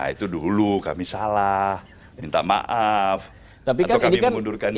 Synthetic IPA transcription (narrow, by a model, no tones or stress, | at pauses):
a̰ḭt̪udulukamisalah | mint̪ama̰ʔaf | t̪ap̬ikaawkinikamnundurkan